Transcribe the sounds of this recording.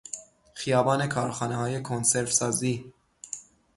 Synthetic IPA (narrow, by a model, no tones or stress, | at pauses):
xijɒːbɒːne̞kʰɒːɾxɒːnehɒːjekʰonseɾfsɒːziː